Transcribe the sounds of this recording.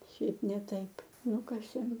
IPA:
ʃʲɛɪp nʲɛ ˈtɐɪp ˈnʊkɐsʲeːm

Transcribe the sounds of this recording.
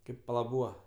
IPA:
ˈkɐɪp pɐˈlˠɐ ˈbuːʋɐ

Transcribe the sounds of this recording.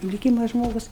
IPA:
lʲɪˈkʲiːmɐ ˈʒmoːɡʊs

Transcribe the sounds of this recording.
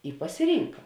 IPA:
ɪ pɐsʲɪˈrʲiːŋkɐ

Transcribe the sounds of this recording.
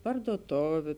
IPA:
pɐrduɔˈtoːʋʲʊ

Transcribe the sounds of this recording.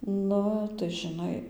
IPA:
ˈnʊ tɐɪ ʒʲɪˈnɐɪ

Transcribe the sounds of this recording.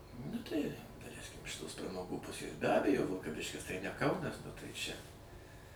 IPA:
nʊ tɐɪ dɐˈlʲɛɪsʲkʲɪm ɪʃ ˈtoːs prɐmɐˈɡuː ˈpʊsʲeːs bʲɛ ˈɑːbʲɛjoː ʋʲɪlˠkɐˈʋʲɪʃʲkʲɪs tɐɪ nʲɛ ˈkɐʊnɐs nʊ tɐɪ ˈt͡ʃʲɛ

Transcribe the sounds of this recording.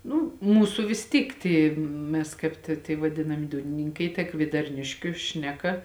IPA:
ˈnʊ ˈmuːsʊ ʋʲɪs ˈtʲiːk ˈtʲiː ˈmʲɛs kɐɪp tʲeː tʲiɛ ʋɐˈdʲɪnɐmʲɪ ˈduːnʲɪnʲɪŋkɐɪ tɐ kʋʲiɛdɐrʲˈnʲɪʃʲkʲʊ ˈʃʲnʲæːˌkɐ

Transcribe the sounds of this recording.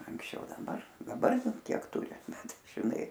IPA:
ɐŋksʲˈt͡ʃʲɛʊ dɐˈbɐr dɐˈbɐr ˈkʲiɛk ˈtʊrʲɪ ˈbʲɛt ʒʲɪˈnɐɪ

